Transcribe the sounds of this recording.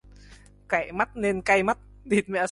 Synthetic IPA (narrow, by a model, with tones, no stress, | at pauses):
ka˧˩˨ma˦˥t̚ne˧nka˧jma˦˥t̚ | ɗi˨˩t̚mɛ̰˧˨